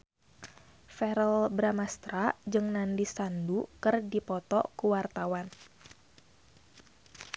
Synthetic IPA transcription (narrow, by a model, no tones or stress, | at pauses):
fɛɾəlbɾamast̪ɾad͡ʒɨŋnandisandukɨrdipɔt̪ɔ̰kuwart̪awan